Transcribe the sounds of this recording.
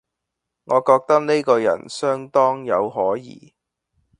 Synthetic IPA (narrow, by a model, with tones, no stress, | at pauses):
ŋɔː˨˧kɔː˧k̚t̪ɐ˥k̚ne˥kɔː˧jɐ̰˨˩nsœː˥ŋt̪ɔː˥ŋjɐ˨˧whɔː˨˥jḭː˨˧